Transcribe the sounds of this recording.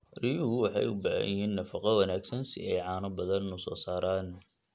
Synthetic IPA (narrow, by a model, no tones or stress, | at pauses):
rijʊhʊwɑħɑ̰jʊbɑʕɑ̰jɪɦiːnːɐfɐqɐwɑnaːɡsɐnsɪ̰ɛjʕɑːnɐbɐðɐnʊsɔ̰ːsaːɾaːn